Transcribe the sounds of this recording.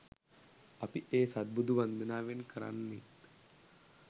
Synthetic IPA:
ɐpiʔeːsad̪̚bud̪ʱuʋand̪ənaːʋenkəɾa̰nːe

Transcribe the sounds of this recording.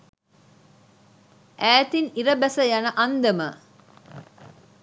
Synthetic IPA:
ʔæːt̪iniɾəbæsəjanəʔɐnd̪ɐmə

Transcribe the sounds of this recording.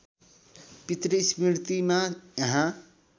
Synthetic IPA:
pit̪ɾismiɾt̪imajʌɦã

